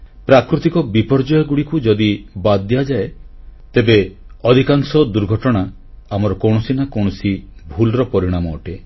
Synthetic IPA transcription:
pɾakɾut̪ikɔbipɔɾd͡ʒɔjɔɡuɽikud͡ʒɔd̪ibad̪ːijad͡ʒae | t̪ebe | ɔd̪ʱikaŋsɔd̪uɾɡʱɔʈɔɽ̃a | amɔɾɔkɔw̃ɔsinakɔwɽ̃ɔsibʱulɾɔpɔɾiɽ̃amɔːʈe

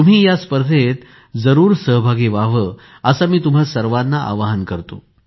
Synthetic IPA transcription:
t̪um̤iːjaspəɾd̪ʱet̪ | d͡zəɾuːɾsəɦbʱaɡeʋaʋə | əsamiːt̪um̤asəɾʋanːaʔa̰ʋaɦankəɾt̪o̰

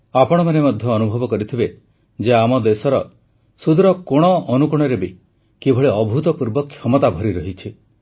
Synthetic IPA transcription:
apɔɽ̃ɔmanemɔd̪ʱjɔːnubʱɔbɔkɔɾit̪ʰibe | d͡ʒeamɔd̪esɔɾɔ | sud̪ɾɔkoɽ̃ɔɔnukuɽ̃ɔɾebi | kibʱɔɭeɔbʱut̪ɔpuɾbɔkʰːjɔmɔt̪abʱɔɾiɾɔɦit͡ʃʰi

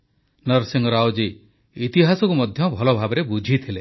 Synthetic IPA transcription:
nɔɾsiŋɡɔɾawd͡ʒi | it̪iɦasɔkumɔd̪ʱjɔbʱɔlɔbʱabɔɾebud͡ʒʱit̪ʰile

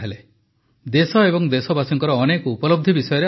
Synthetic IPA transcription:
ɦele | d̪esɔebɔŋd̪esɔbasɔŋkɔɾɔːnekupɔlɔb̚d̪ʱibisɔjɔɾe

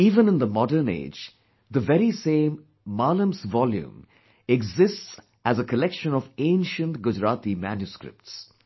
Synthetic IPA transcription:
iːvə̃nɪ̃nd̪əmɔɖəɾnḛːd͡ʒ | d̪əʋɛɾisẽːmː | aːlə̃msʋɔljṵ̃m | ɛɡzɪsʈs | æzəkʰəlɛkʃə̃nɔvẽɪ̃nʃə̃nʈɡʊd͡ʒɾaːt̪imænjuskɾɪ̰p̚ʈs

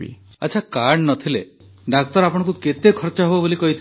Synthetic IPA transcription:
ḭ | aːt͡ʃʰakaɾɳnɔt̪ʰile | ɖak̚t̪ɔɾapɔɽ̃ɔ̃ŋkuket̪ekʰɔɾt͡ʃɔɦebobolikɔɦit̪ʰ

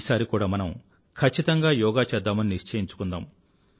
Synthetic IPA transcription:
saːɾikuːɽaːmɐnɐm | kʰɐt͡ʃːit̪ɐŋɡaːjɔːɡaːt͡ʃɛd̪ːaːmɐniniʂt͡ʃɐjiɲt͡ʃu̥kund̪aːm

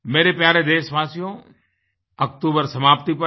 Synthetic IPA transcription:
meːɾepjaːɾed̪eːʃʋaːsijõ | ɐk̚t̪uːbəɾsɐmaːpt̪ipɐ

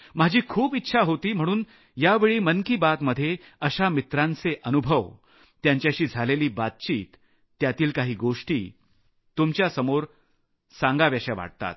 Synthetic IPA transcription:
m̤ad͡ʑʱiːkʰuːpit̪ːɕʰaɦot̪iːm̤əɽ̃uːn | jaʋeɭiːmənkiːbat̪məd̪ʱːje | əɕamit̪ɾãnt͡seʔənubʱəʋ | t̪jaɲt͡ɕjaɕiːd͡zʱaleliːbat̪̚t͡ɕiːt̪ː | jat̪iːlkaɦiːɡoʂʈiː | t̪umt͡ɕjasəmoɾ | sãŋɡaʋjaɕaʋa̰ɽ̚t̪a̰t̪̚

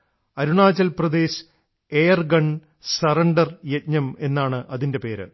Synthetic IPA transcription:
ɐɾuɳaːd͡ʑɐlprɐd̪e̞ːs | eːjɐrɡɐɳ | sɐrɐɳɖɐrjetɲɐme̞nːaːɳɨʔɐðinde̞pe̞ːɾɨ̰

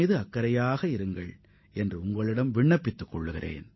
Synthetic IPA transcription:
ðɯɐkːɐɾɐjaːɣɐɪɾɯŋɡɐɭ | ɛndrɯʊŋɡɐɭɪɽɐmʋɪɳːɐpːɪt̪ːɯkːɔɭːɯɣɪrʔḛːn

